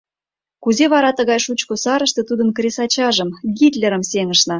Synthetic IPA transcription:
kuzeβɑɾɑt̪ə̆ɣɑjʃut͡ɕkosɑɾəʃt̪ɤ̆t̪ud̪ə̆nkrʲesɑt͡ɕɑʒə̆mɡit̪lʲeɾəmseŋəʃnɑ

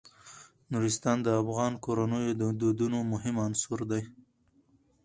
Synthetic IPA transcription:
nuɾɪst̪ɑnd̪əafɣɑnkoɾanəjod̪əd̪od̪unomʊɦɪmansuɾd̪aj

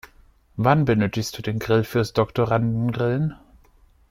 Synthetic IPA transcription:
vanbənøːtɪçst̚d̥uːdeːnɡʁɪlfyːɐsd̥ɔktoʁandn̩ɡʁɪln

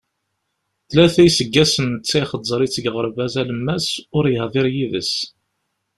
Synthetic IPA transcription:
θlæθæjsəɡːæsənət͡sːæχəzˤːəɾˤit͡sːəɡʁəɾˤvæzæləmːæsʊɾjəhðˤɪɾjiðə̰s

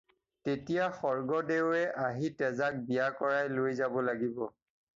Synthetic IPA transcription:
tetijaxɔɹɡɔdewɛʔaɦitɛzak̚bijakɔɹajlojzabɔlaɡibɔ

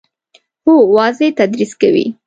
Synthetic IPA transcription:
howɑzet̪ad̪ɾiskawḭ

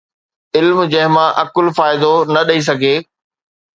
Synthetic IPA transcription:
ɪlmd͡ʑɐ̃ɦɪ̃mãʔɐkʊlfaːɪd̪onɐɗɐis̬ɐɡʱeː

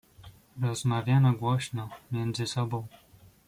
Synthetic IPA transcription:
ɾɔzmavʲjanɔɡwɔɕnɔmʲjɛnd̪zɘsɔbɔ̃w̃

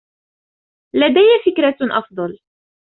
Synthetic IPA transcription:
lad̪ajːafɪkɾaʔɑ̰fd̪ˤɑl

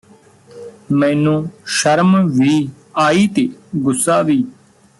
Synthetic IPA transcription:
mɛ̃ːnũːʃəɾmʋiː | aːiːt̪eːɡʊsːaːʋiː

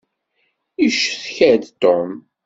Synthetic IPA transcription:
iʃθçæd̪t̪ɔm

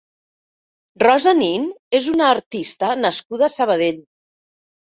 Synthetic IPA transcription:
rɔzaninezunaːɾt̪ist̪ənəskuðəsəβ̞əð̞eʎ

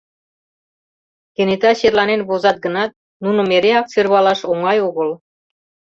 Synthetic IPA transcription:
kenet̪ɑɕerlɑnenβozɑt̪̚ɡɤ̆nɑt̪̚ | nunŏmeɾeɑk̚t͡serβɑlɑʃoŋɑjoɣɤ̆l

